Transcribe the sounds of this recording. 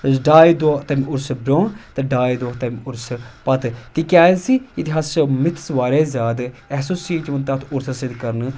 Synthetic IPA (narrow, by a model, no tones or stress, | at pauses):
ɖaːid̪oːt̪ɐmʊɾsbɾoːɳt̪ɐɖaːjd̪oːɦt̪ɐmʊɾspɐt̪t̪ikaːnsiːɪt̪ɪɦaːsmɪt̪ʰsʋaːɾeːzʲaːd̪ɛɦsoːsiːt͡ʃʋɐnt̪ɐt̪ʰʊɾsəsɪd̪kɐɾn